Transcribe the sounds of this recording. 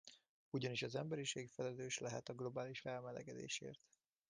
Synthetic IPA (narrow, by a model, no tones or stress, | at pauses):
uɟɒniʃɒzɛmbɛɾiʃeːkfɛlɛløːʃlɛɦɛt̪ɒɡlo̞baːliʃfɛlmɛlɛ̰ɡɛd̪ḛːʃḛːrt̪